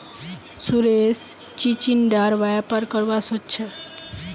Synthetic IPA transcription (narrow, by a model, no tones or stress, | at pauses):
suɾes | t͡ɕit͡ɕinɖaɾʋajapaɾkəɾʋasɔtːɕʰe